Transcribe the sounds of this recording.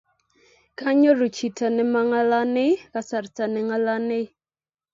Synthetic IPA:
kʰa˦ɲɔ˦ɾu˨t͡ʃi˨ta˨nɛ˦ma˦ŋa˦la˦nɪ˦ka˨sa˨ɾta˨nɛ˨˦ŋa˦la˦nɪ˦

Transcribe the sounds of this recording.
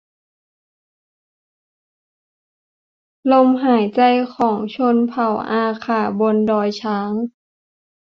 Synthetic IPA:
lo˧˨mɦaː˨˩˦jt͡ɕa˧jkʰɔː˩˦ŋt͡ɕʰo˧˥˨npʰa˨˩wʔaː˧˩kʰaː˧˩bo˧˨ndɔː˧jt͡ɕʰaː˦˥ŋ

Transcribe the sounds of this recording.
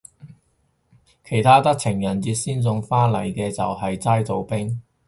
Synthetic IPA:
kʰe˨˩jt̪ʰaː˥t̪ɐ˥k̚t͡sʰɪ˨˩ŋjɐ˨˩nt͡siː˧t̚siː˥nt͡sʊ˧ŋfaː˥lɐ˨˩jkɛː˧t͡sɐ̰˨whɐ˨jt͡saː˥jt̪o˨wpɪ˥ŋ

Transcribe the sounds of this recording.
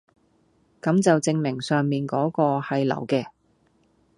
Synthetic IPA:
kɐ˨˥mt͡sɐ˨wt͡sɪ˧ŋmɪ˨˩ŋsœː˨ŋmiː˨˩nkɔː˨˥kɔː˧hɐ˨jlɐ̰˨˩wkɛː˧

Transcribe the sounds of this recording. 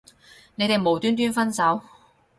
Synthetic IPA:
ne˨˧jt̪e˨jmo˨wt̪yː˥nt̪yː˥nfɐ˥nsɐ˨˥w

